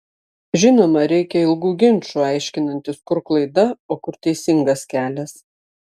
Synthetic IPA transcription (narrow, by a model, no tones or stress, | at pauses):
ʒʲɪnoːmɐɾʲɛɪkʲɛɪlˠɡuːɡʲɪnʲˑt͡ʃʲuːɑɪʃʲkʲɪnɐnʲt̪ʲɪskʊɾklˠɐɪd̪ɐoːkʊɾt̪ʲɛɪsʲɪŋɡɐskʲæːlʲɛs